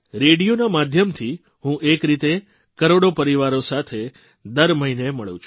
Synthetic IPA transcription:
ɾeɽijonamad̪ʱjəmt̪ʰi | ɦũʔekɾit̪e | kəɾoɽopəɾiʋaɾosat̪ʰe | d̪əɾməɦineməɭṵ̃t͡ʃʰ

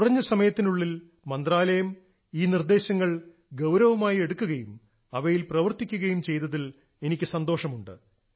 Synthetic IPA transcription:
kurɐɲːɐsɐmɐjɐt̪ːinuɭːil | mɐnd̪raːlɐjɐm | iːnird̪e̞ːɕɐŋːɐɭ | ɡɐwɾɐʋɐmaːjie̞ɽukːuɣɐjum | ɐʋɐjilprɐʋɐrt̪ikʲːuɣɐjumt͡ɕe̞jt̪ːɐðil | e̞nikʲːɨsɐnd̪oːʂɐmuɳɖɨ̰

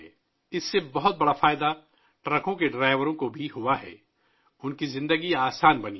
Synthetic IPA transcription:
ɪsːebɐɦʊt̪̚bɐɽafaːjɪd̪a | ʈɾɐkõkeɖɾaːɪʋəɾõkobʱiɦʊaɦɛ̰ː | ʊnkizɪ̃nd̪əɡiaːsaːnbɐnḭ

